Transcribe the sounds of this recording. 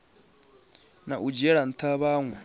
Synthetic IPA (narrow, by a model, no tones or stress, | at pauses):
naʔud͡ʒɛɺan̩t̪ʰaβaːŋwɛ